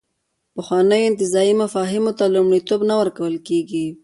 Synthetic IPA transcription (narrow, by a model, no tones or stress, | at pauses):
pəxwɑnəjoɪnt̪ɪzɑimafɑɦɪmot̪alomɽit̪obnawəɾkawəlkeɡi